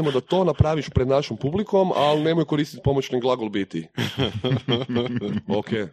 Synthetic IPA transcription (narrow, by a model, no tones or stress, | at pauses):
emod̪at̪o̞ːnapɾaːʋiʃpɾed̪naʃompubliko̞ma̰lne̞mojko̞ɾist̪it̪̚ʲpo̞mot͡ɕniɡlˠaɡolˠbit̪i | okʰe